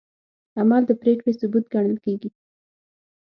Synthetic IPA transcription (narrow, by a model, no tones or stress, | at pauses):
amɑld̪əpɾekɽesʊbut̪̚ɡaɽ̃əlkeɡi